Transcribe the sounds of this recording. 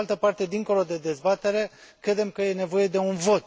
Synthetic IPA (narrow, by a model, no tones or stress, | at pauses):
alt̪əpart̪e̞d̪iŋko̞lo̞d̪e̞d̪e̞zbat̪e̞ɾe̞kɾe̞d̪e̞mkəje̞ne̞vo̞je̞d̪e̞unvo̞t̪